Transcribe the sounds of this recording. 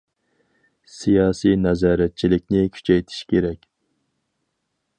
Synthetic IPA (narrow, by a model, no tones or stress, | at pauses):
sijɑːsijnɛzɑːɾɛt̪̚t͡ʃʰilɪk̚ʲnɪkʲʰy̥t͡ʃʰɛjt̪ʰi̥ʃkʲeɾɛkʲ